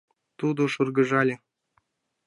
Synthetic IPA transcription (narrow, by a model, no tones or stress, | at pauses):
t̪ud̪ŏʂurɡɤ̆ʒɑlʲɘ̆